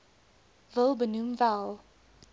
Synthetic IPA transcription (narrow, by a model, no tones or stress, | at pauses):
vɪlˠbənũmvalˠ